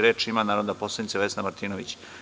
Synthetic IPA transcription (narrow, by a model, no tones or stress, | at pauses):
ɾeːt͡ʂimanaːɾod̪aposlad̪nit̪seʋesnamaɾt̪iːnoʋit͡ɕ